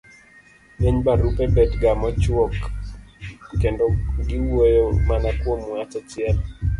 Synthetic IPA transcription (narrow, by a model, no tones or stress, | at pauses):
neɲbaɾupebɛtɡamɔt͡ʃwɔk | endɔɡɪwojomanakwɔmwat͡ʃɔt͡ʃɪɛl